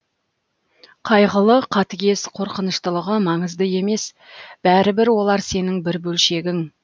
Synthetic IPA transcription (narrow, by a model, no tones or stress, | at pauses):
qʰɑjʁəlˠəqʰɑt̪əɡʲe̞sqʰo̞ɾqənəʃt̪əlˠəʁəmɑɴəzd̪əje̞me̞s | b̥æɾɪbɪɾwo̞lˠɑɾse̞nɪŋbɪɾbɵlʃe̞ɡʲɪŋ